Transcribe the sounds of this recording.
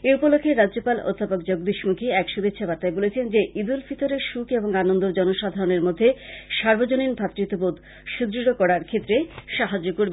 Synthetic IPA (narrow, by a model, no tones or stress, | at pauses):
eupolokʰːeɾad͡ʑopalo̰d̪ʱːapok̚d͡ʑoɡd̪iʃmukʰiɛkʃud̪et͡ɕʃʰabaɾt̪aebolet͡ɕʰend͡ʑeʔid̪ulfit̪oɾeʃukeboŋanond̪od͡ʑɔnoʃad̪ʱaɾoneɾmod̪ʱːeʃaɾbod͡ʑoninbʱat̪ːɾit̪obod̪ | ʃud̪ɾiɾokɔɽaɾkʰet̪ːɾeʃaɦad͡ʑokoɾb